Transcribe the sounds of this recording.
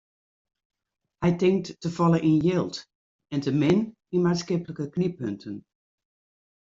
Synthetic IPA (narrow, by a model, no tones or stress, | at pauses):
hɛjtɪŋktːəfɔlˠəʔinjɪlˠt | ɛntʰəmɪn | inmaːnskɪpələkəknipøntʰən